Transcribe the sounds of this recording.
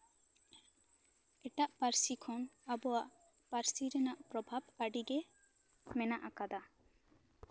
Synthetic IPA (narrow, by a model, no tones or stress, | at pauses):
ɛʈaʔpaɾsikʰɔnabɔwaʔ | paɾsiɾɛnaʔpɾɔbʱabaɖiɡɛ | mɛnaʔakad̪a